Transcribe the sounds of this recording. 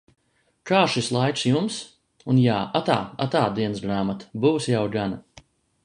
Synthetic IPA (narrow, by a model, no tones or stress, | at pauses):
kaːʃislˠajt̪sjums | unjaːʔat̪a̰ːat̪aːd̪iɛnsɡɾaːmat̪buːsjawɡana